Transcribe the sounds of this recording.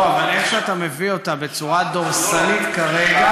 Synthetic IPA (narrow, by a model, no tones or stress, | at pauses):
avale̞χʃeat̪ame̞vio̞tabe̞t͡suʁad̪oʁsanit̪kaʁe̞ɡa